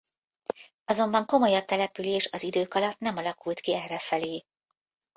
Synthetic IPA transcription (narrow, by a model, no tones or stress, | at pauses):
ɒzo̞mbɒŋko̞mo̞jɒb̚t̪ɛlɛpyleːʃɒzid̪øːkɒlɒt̪nɛmɒlɒkult̪kiɛrːɛfɛleː